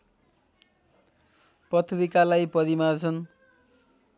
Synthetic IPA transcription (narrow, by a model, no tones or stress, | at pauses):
pʌt̪ʰɾikalajpʌɾimart͡sʰʌn